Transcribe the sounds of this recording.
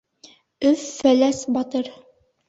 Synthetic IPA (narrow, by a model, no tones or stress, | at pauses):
ɵfːælæsbɑt̪ɤɾ